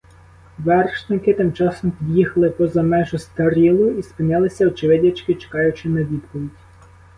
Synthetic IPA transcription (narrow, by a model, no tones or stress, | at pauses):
ʋɛrʃnɪkɪt̪ɪmt͡ʃɑsɔmpʲid̪ʲjixɐlˠɪpɔzɐmɛʒʊst̪ɐɾʲilˠʊispɪnʲɑlˠɪsʲɐɔt͡ʃɪʋɪdʲɐt͡ʃkɪt͡ʃe̥kɑjʊt͡ʃɪnɐʋʲid̪pɔʋʲidʲ